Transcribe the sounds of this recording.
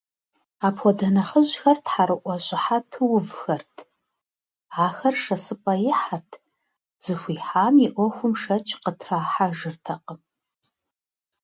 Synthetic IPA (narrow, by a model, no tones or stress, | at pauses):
aːpxʷɔdɐnɐħəʑxɐrtʰħaɾɨʔʷɐɕʼɪħatʰɨwʊvxɐrtʰ | aːxɐrʂɐsɨpʼɐjɪħartʰ | z̥ɨxʷiːħaːmiʔʷɔxʷʊmʃɐt͡ʃʰʼqətʰraːħaʒɨrtʰɐqə